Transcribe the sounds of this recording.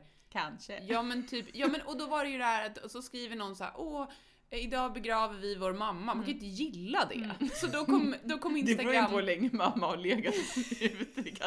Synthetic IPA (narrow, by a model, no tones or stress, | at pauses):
kʰanʂəjɑːmɛnt̪ʰyːpjɑːmɛnʔɔd̪ɔvaɾɛjɵd̪ɛhæːɾat̪ɔsɔskɾiːvəɳɔnːsahæ̰ːɾʔɔ | ɪd̪ɑːbɛɡɾɑːvəɾvɪvoːɾmamːamanŋkʰanɪnt̪əjɪlːad̪ɛ̰sɔd̪ɔkʰɔmːd̪ɔkʰɔmːɪnt̪əɛɾuːaolɛŋːəmamːaɔleːɡasʉvt̪ɪka